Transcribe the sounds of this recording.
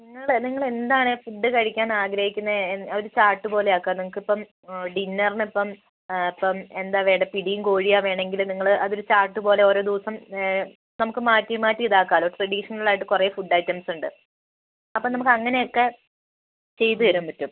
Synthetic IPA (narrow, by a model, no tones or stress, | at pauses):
niŋːɐɭniŋːɐɭe̞nd̪aːɳɨfuɖːɨkɐɻikʲːaːnaːɡɾɐhikʲːunːɐoɾut͡ɕaːrʈːɨpo̞ːlejaːkːanimukːipːɐm | ɖinːɐrnipːɐm | ipːɐme̞nd̪aːʋeːɽɐpiɽijumkoːɻijaːʋe̞ːɳɖe̞ŋɡilniŋːɐɭʔɐðo̞ɾut͡ɕaːrʈːɨpo̞ːle̞oːɾo̞ːd̪uːsɐm | nɐmukːɨmaːtːimaːtːiiðaːkːaːloːʈrɐɽiʂɐnɐɭaːjiʈːɨkureːfuɖajtːɐmsuɳɖɨ | ɐpːoːnɐmukːɨɐŋːɐne̞jokːe̞ | t͡ɕe̞jt̪uʋɐɾumpɐtːum